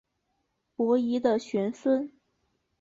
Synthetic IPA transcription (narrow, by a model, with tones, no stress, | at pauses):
pwɔ˧˥i˧˥d̪ə˧ɕɥɛ˧˥nswə˥n